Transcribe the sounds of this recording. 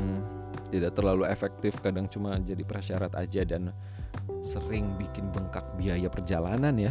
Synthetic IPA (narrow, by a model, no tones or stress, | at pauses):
t̪idaʔt̪ərlaluefɛk̚t̪ɪfkadaŋt͡ʃumad͡ʒadipəɾaʃaɾat̪a̰d͡ʒadan | səɾɪŋbikɪnbəŋkak̚biajapərd͡ʒalananja